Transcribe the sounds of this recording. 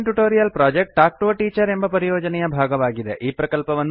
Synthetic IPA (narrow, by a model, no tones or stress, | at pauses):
nʈuʈoːɾijɐlpɾaːd͡ʒek̚ʈaːk̚ʈoːʈiːt͡ʃɐɾe̞mbɐpɐɾijoːd͡ʒɐnɛjɐbʱaːɡɐʋaːɡid̪eʔʔiːpɾɐkɐlpɐʋɐnː